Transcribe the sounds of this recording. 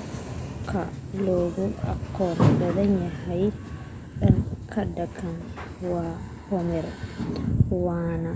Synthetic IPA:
kʰaloɡɔa̰kɔndad̪aɲɛhaj | ɗɛnkʰadːakʰan | wa | hɔmɛɾɛ | wana

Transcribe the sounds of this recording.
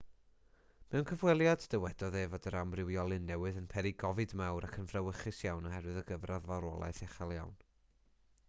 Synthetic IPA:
mɛwnkʰəvwɛlˠjadd̥əwɛd̥ɔðeːvodəɾamrɪwjɔlˠɨnːɛwɨðənpʰɛɾiɡɔvɨdmawɾʔakʰənv̥rawəχɨsjawnɔhɛɾwɨðəɡəvraðvaɾɔ̰lˠa̰jθɛχalˠja̰wn

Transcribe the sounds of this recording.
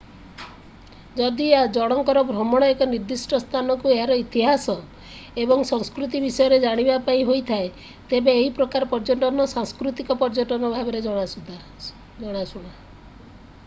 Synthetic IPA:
d͡ʒɔd̪iad͡ʒɔɽ̃ɔŋkɔɾɔbʱɾɔmɔɽ̃ɔekɔniɾd̪isʈɔst̪ʰanɔkueɦaɾɔit̪iɦasɔ | ebɔŋsɔŋskɾut̪̬ibisɔjɔɾed͡ʒaɽ̃ibapaĩɦojt̪ʰae | t̪ebeːɦipɾɔkaɾɔpɔɾd͡ʒɔʈɔnɔsaŋskɾut̪ikɔpɔɾd͡ʒɔʈɔnɔbʱabeɾed͡ʒɔɽ̃asud̪ʱa | d͡ʒɔɽ̃asuɽ̃a

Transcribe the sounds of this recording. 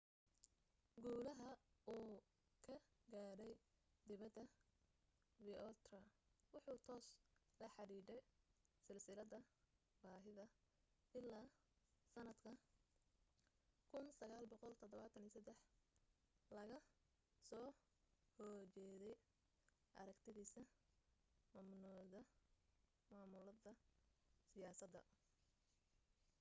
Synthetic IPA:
ɡuːlɐɦɐuː | kʰɐɡaːɽɛjd̪ɪβɐd̪ːɐ | bɪɔlt̪rɐwʊħuːt̪ʰɔːs | lɐħɑɾiːdɛjsɪlsɪlɐðɐ | baːɦɪðɐ | ɪlːaː | sɐnɐd̪kʰɐ | kʰʊnsɐɣaːlbɔqɔlt̪ʰɔðɔβaːt̪ʰɐniːsɐd̪ɛħ | lɐɣɐ | sɔː | hɔrt͡ʃɛːðɛj | ʔɐ̰ɾɐkt̪ʰɪðiːsɐ | maːmnɔːðɐ | maːmʊlɐðɐsɪjaːsɐd̪ɐ̰

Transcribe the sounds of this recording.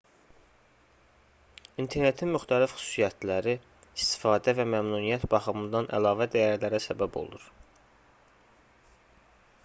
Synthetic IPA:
int̪ʰe̞ɾne̞t̪ʰinmyxt̪ʰælifxy̥su̥sijæt̪ʰlæɾi | ist̪i̥fɑːd̪ævæmæmnuːnijæt̪bɑχɯmɯnd̪ɑnʔæ̰lɑːvæd̪æjæɾlæɾæsæbæbo̞̰lˠṵɾ

